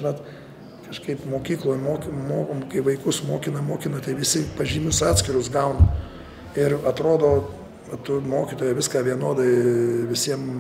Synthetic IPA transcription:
ɪnɐt̪ | kɐʃkɐɪpmoːkʲiːklˠoːjmoːkʲmoːkɐɪʋɐɪkʊsmoːkʲɪnɐmoːkʲɪnɐt̪ɐɪʋʲɪsʲɪpɐʒʲiːmʲʊsɑːt̪ʲsʲkʲɪɾʊsɡɐʊnɐ | ɪɾɐt̪ɾoːd̪oː | ʋɐt̪ʊmoːkʲiːt̪oːjɛʋʲɪskɑːʋʲiɛnoːd̪ɐɪʋʲɪsʲiɛm

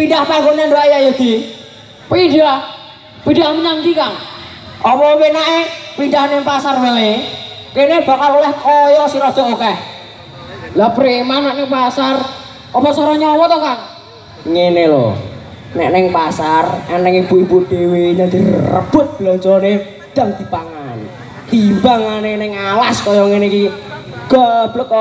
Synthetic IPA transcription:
pindahpaŋɡonandaʔejajod̪̥i | pinɖah | pidahməɲaŋk̪ikaŋ | ʔɔmɔpenaʔepindahnɪŋpasarməle | keneb̥a̤kalulɛhkɔjɔsiɾɔd̪̥ɔkokɛh | lapɾimanɛʔnɪŋpasar | ɔpɔsɔɾɔɲɔwɔt̪ɔkar | ŋenelo̰ | nɛʔnɪŋpasarɛnɛŋibuipud̪̥eweɲad̪̥irə̰b̥ʊt̪̚b̥lɔɲt͡ʃɔne | d̪̥aŋd̪̥i̤paŋan | himbaŋanenɪŋalaskɔjɔŋeniki | ɡ̥ɔb̥lək

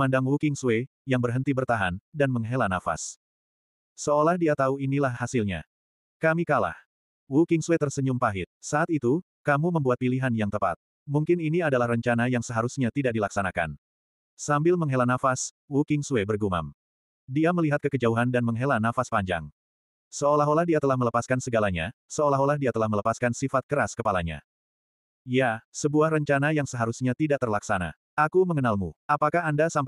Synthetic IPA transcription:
mandaŋwukɪŋsue | jaŋbərɦənt̪ibərt̪aɦandanməŋɦelanafa̰s | səolahdiat̪auinilahːasilɲa̰ | kamikala̰h | wukɪŋsuet̪ərsəɲumpaɦɪt̪̚saʔːt̪it̪u | kamuməmbuat̪̚piliɦanjaŋt̪əpa̰t̪̚ | muŋkɪniniadalahrəɲt͡ʃanajaŋsəɦaɾusɲat̪idak̚dilaksanaka̰n | sambɪlməŋɦelanafas | wukɪŋsuebərɡuma̰m | diaməliɦat̪̚kəkəd͡ʒauɦandanməŋɦelanafaspaɲd͡ʒa̰ŋ | səolaɦolahdiat̪əlahmələpaskansəɡalaɲa̰səolaɦolahdiat̪əlahmələpaskansifat̪̚kəɾaskəpalaɲa̰ | jasəbuahrəɲt͡ʃanajaŋsəɦaɾusɲat̪idaʔ̚t̪ərlaksana̰ | ʔakuməŋənalmuapakaɦandasamp

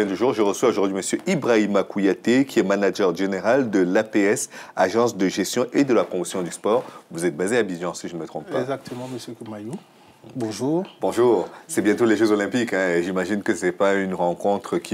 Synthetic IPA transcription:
ɛ̃d̪yʒuːʁʒəʁəswaoʒuʁd̪ɥiməsjøʔibʁaimakujat̪ekʲiɛmanaʒœʁʒeneʁald̪əlapeɛsaʒɑ̃sd̪əʒɛst̪jɔ̃ʔed̪əlapχɔmosjɔ̃d̪yspɔːʁvuzɛt̪̚bazeabiʒɑ̃siʒənəmət̪χɔ̃ppaɡzak̚t̪ʰəmɑ̃məsjøkumaju | bɔ̃ʒuːʁbɔ̃ʒuːʁsɛbjɛ̃t̪oleʒøzolɛ̃pikɛ̃ʒimaʒinkəsɛpaynʁɑ̃kɔ̃t̪χəkʲi

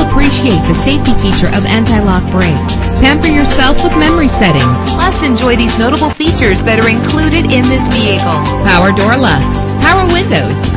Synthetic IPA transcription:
əpʰɹ̥iʃieɪt̪̚ðɨseɪftifit͡ʃə˞ʔʌvæ̃ntaɪlɑk̚b̥ɹeɪks | pʰæ̃mpə˞jə˞sɛlˠfwəðmɛmə˞isɛɾɪ̰̃ŋz̥lʌsɨ̃nd͡ʒɔɪðiznoʊɾəbl̩ˠfit͡ʃə˞zðɨɾə˞ɨ̃nkʰl̥uɾɨɾɪ̃nðɪsviɨkl̩ˠ | pʰaʊə˞dɔɹlʌsts | pʰaʊə˞wɪ̃ndoʊz̥

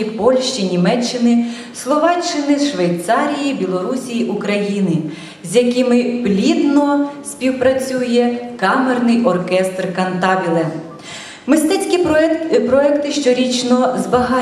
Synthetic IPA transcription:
ipɔlʲʃt͡ʃinʲimɛt͡ʃːɪnɪ | slˠɔʋɑt͡ʃːɪnɪʃʋejt̪sɑɾʲijibʲilˠɔɾusʲijiʔukɾɐjinɪ | zʲjɐkɪmɪblʲid̪nɔsʲpʲiwpɾɐt͡sʲujɛkɑmernɪjʔɔrkɛst̪rkɐnt̪ɑʋʲilˠɛ | mɪst̪ɛt͡sʲkʲipɾɔɛkt̪ɪʃt͡ʃɔɾʲit͡ʃnɔzbɐɦɑ

